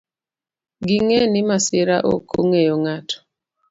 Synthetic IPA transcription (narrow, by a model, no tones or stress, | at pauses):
ɡiŋenimasɪɾaʔo̰kʰoŋejoŋatʰɔ̥